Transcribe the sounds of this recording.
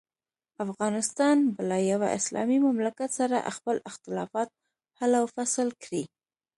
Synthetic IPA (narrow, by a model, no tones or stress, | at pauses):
afɣɑnɪst̪ɑnbəlajawa̰ʔɪ̰slɑ̰mimamlakat̪saɾa̰ʔxpəlɪxt̪ɪlɑfɑt̪̚ | halawfasəlkɾi